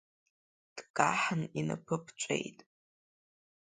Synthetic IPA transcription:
d̥kʼaħanina̰pʰɨpʰʈ͡ʂʷʼḛjtʼ

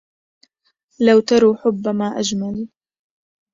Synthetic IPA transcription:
lawt̪ɑɾˤuːħʊbːamaːʔad͡ʒmaliː

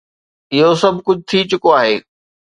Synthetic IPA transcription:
ɪɦosɐbʱkʊd͡ʑʱt̪ʰit͡ɕʊkoaːɦeː

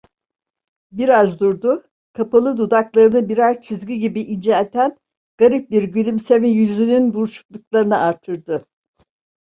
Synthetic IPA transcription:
biɾazd̪uɾd̪u | kʰapalˠɯd̪ud̪aklˠaɾɯnɯbiɾazt͡ʃʰizɡiɟibiʔind͡ʒaet̪ʰæn | ɡ̥aɾip̚biɾɟylʲymsemijyzynynbuɾuʃu̥klˠuklˠaɾɯnɯʔaɾt̪ʰɯɾd̪ɯ

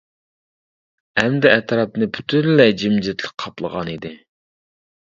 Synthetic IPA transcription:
ɛmd̪ɛɛt̪ɾɑp̚nɨpʰy̥t̪ʰynlɛd͡ʒimd͡ʒɪt̪ʰlɨk̚ʲqʰɑplˠə̰ʁɑ̰nid̪ɪ

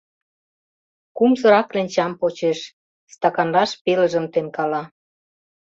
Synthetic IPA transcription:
kumzɤ̆ɾɑklenʲt͡ɕɑmpot͡ɕeʃ | st̪ɑkɑnlɑʃpelə̆ʒə̆mt̪enkɑlɑ

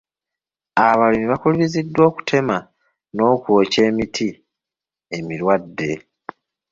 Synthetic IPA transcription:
aβalimiβakuliβizidːwo̞ːku̥tʰe̞ma | no̞ːkwo̞ːce̞ːmitʰi | e̞miɾwadːe̞

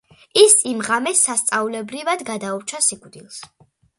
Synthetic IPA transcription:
isimʁamɛsːast̪sʼaulɛbɾivad̪ɡad̪auɾt͡ʃʰasikʼd̪ilˠs

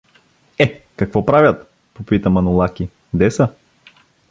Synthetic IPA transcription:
ɛkɐkvɔpɾavʲjət̪ | popit̪əmɐnʊlˠakʲi | d̪ɛsə

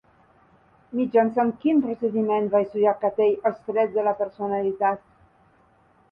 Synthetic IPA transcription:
mid͡ʒansankinpɾosed̪imɛnvajsujakat̪ejalst̪ɾɛt̪̚d̪elapeɾsonalit̪at̪

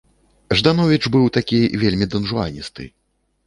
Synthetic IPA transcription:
ʐd̪anɔvʲit͡ʂbɨwt̪akʲivʲelʲmʲid̪ɐnʐua̰nʲist̪ɨ̰

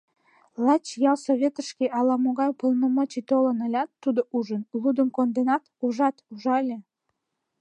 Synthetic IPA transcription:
lˠɑt͡ɕjɑwsoβʲet̪ə̆ʃkʲeʔɑlɑmoɣɑjpə̆lˠnə̆mɤt͡ɕit̪olɤ̆nə̆lʲɑt̪ːud̪oʔuʒənlˠud̪ə̆mkond̪enɑt̪uʒɑt̪uʒɑlʲe

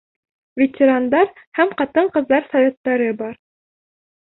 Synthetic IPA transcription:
vʲɪt̪ʲɪɾand̪ɑɾ | hæmqɑt̪ɤɴqɤ̆ðːɑɾsɑvʲet̪ːæɾɘbɑɾ

